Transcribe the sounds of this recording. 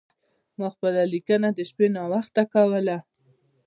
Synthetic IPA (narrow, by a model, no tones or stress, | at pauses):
mɑxpəlalikənad̪əʃpenɑwaxt̪akawəla